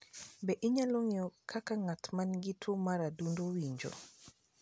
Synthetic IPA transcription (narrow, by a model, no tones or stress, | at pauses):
bɛʔiɲaloŋiɔkʰakaŋatmanɡitʰumaɾadundowiɲd͡ʒo̰